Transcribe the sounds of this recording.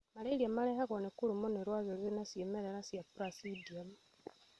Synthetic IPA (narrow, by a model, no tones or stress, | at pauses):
maɾeiɾiamaɾɛhaɣɔnekuɾumoneɾwaɣeɾenasjemeɾeɾasjapuɾasidiam